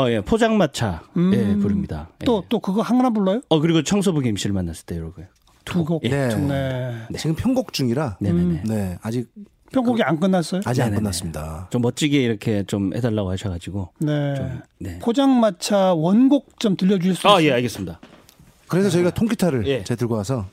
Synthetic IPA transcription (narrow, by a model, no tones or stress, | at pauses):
ʌje̞pʰod͡ʑaŋmat͡ɕʰajepuɾɯmɲida̰jet͈ot͈okɯɡʌhaŋɾabuɭːʌjoʌkɯɾiɡot͡ɕʰʌŋs̬ʰobuɡiimɕ͈ʰiɾɯɭmanːas͈ɯɭt͈e̞joɾoɡujo | tuɡoenenet͡ɕiɡɯmpʰjʌŋɡok̚t͡ɕ͈uŋiɾane̞eene̞ad͡ʑik̚ | ppʰjʌŋɡoɡiank͈ɯnːas͈ʌjoad͡ʑiankɯnːas͈ɯmɲida̰t͡ɕomːʌt̚t͡ɕ͈iɡeiɾʌkʰe̞t͡ɕomhedaɭːaɡohaɕʰʌɡad͡ʑiɡone̞omne̞pʰod͡ʑaŋmat͡ɕʰawʌnɡok̚t͡ɕ͈ʌmtɯʎːʌd͡ʑuɕʰiɭs͈uaje̞aɭɡe̞s͈ɯmɲida | kɯɾe̞sʰʌt͡ɕʌiɡatʰoŋkʰitʰaɾɯɭje̞t͡ɕeɭtɯɭɡoasʰʌ